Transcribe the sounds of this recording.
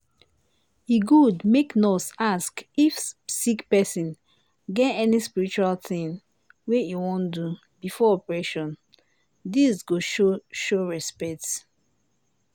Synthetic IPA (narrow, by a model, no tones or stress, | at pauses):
iɡudmeknɔsaskifsikpɛsĩn | ɡɛ̃ɛnispiɹit͡ʃualtĩŋ | wejiwɔ̃ndu | bifɔɔpɹeʃɔ̃n | disɡoʃoʃoɹɛspɛt